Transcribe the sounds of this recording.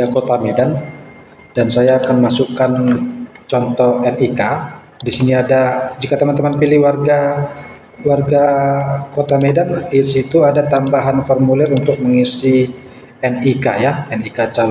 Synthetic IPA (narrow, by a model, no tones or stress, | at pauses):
jakot̪amedan | dansajaːkanmasukan | t͡ʃɔnt̪ɔhɛnika | disiniadad͡ʒikat̪əmant̪əmanpilɪhwarɡa | warɡakot̪amedanisit̪uadat̪ambaɦanfɔrmulɛrunt̪ʊk̚məŋisi | ɛnikajaɛnikat͡ʃal